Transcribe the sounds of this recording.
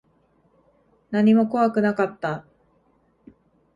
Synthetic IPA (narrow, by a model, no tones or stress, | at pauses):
naɲ̟imo̞ko̞βakɯ̟nakat̪ːa